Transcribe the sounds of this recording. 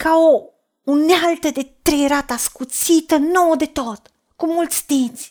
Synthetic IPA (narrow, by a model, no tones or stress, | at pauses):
kao | unealt̪əd̪et̪ɾeɾat̪askusit̪ənowd̪et̪ot̪ | kumult̪sd̪esʲ